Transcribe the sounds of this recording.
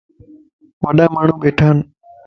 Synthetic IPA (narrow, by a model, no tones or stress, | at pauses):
ʋəɗãːmaːɳ̤ũːɓeːʈʰaːn